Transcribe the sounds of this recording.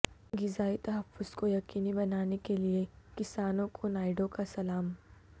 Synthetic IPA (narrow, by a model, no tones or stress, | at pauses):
ɡɪzaːit̪ɐɦəfːʊz̥kojɐqiːnibɐnaːnekeliekɪsaːnõkʰonaːɪɖõkasɐlaːm